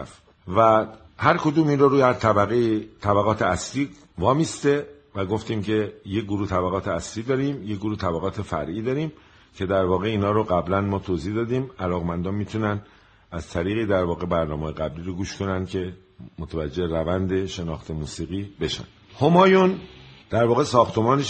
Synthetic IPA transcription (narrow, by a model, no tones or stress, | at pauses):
f | væ | hæɾkʰod̪uːmiːnɾoɾuːjæɾt̪ʰæbæɣejit̪ʰæbæɣɒːt̪ʰeæsliː | vɒːmist̪e | væɡo̞ft̪iːmcʰe̞jeɡoɾuːht̪ʰæbæɣɒːt̪ʰeæsliːd̪ɒːɾiːmjeɡoɾuːht̪ʰæbæɣɒːt̪ʰe̞fæ̰ɾʔiːd̪ɒːɾiːm | cʰe̞d̪æɾvɒːɣe̞iːnhɒːɾoɡæblænmɒːt̪ʰoziːhd̪ɒːd̪iːmælɒːɣmænd̪ɒnmiːt̪ʰunæn | æz̥t̪ʰæɾiːɣiːd̪æɾvɒːɣe̞bæɾnɒːmeːjeɣæbliːɾoɡuːʃkʰo̞nænd̪̥cʰe̞ | mot̪ʰævæd͡ʒːe̞ɾævænd̪e̞ʃe̞nɒ̰ːxt̪ʰe̞muːsiːɣiːbe̞ʃæ̰nd̪homɒːjund̪̥æɾvɒːɣe̞sɒːxt̪ʰe̞mɒːne